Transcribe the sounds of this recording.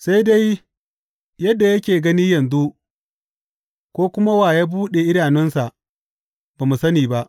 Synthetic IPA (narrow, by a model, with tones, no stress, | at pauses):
sa˦jda˦j | jɐ˦dːa˨jɐ˦kʲeː˨ɡɐ˦niː˦jɐ˨nzu˦ | kʷoː˦kʷʊ˦ma˦waː˨jaː˦buː˦ɗe˨ʔɪ˦ɽaː˨nɪ˦nsa˨ʔ | baː˨mu˨sɐ˦niː˨ba˦ʔ